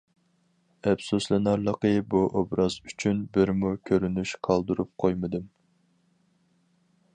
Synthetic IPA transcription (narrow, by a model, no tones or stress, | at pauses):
ɛpsuslˠɨnɑɾlˠəqəbuʔobɾɑzyt͡ʃʰynbɪɾmukʲʰøɾynyʃqʰɑlˠd̪uɾup̚qʰojmɨd̪ɨm